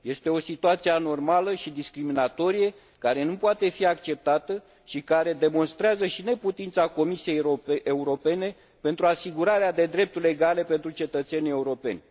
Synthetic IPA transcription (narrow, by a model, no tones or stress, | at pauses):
je̞st̪e̞o̞sit̪uat̪siano̞rmaləʃid̪iskɾiminat̪o̞ɾije̞ | kaɾe̞nupoat̪e̞fiakt͡ʃe̞p̚t̪at̪ə | ʃikaɾe̞d̪e̞mo̞nst̪ɾeazəʃine̞put̪int̪sako̞misije̞jeuɾo̞pe̞ne̞ | pe̞nt̪ɾuasiɡuɾaɾead̪e̞d̪ɾe̞p̚t̪ule̞ɡale̞pe̞nt̪ɾut͡ʃe̞t̪ət̪se̞nʲije̞uɾo̞pe̞̰nʲ